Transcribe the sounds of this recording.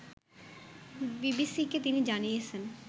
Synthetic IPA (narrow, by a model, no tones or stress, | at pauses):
bibisiket̪inid͡ʑanijet͡ɕʰen